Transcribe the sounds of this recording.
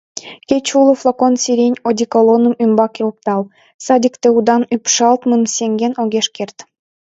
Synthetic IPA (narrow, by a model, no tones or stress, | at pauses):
kʲet͡ɕulˠə̆flˠokonsʲiɾʲenʲod̪ʲikolˠonə̆mymbɑkjolp̚t̪ɑlˠ | sɑd̪ʲikt̪eud̪ɑnypʃɑlˠt̪mɨnsʲeŋɡʲenoɣʲeʃkʲert̪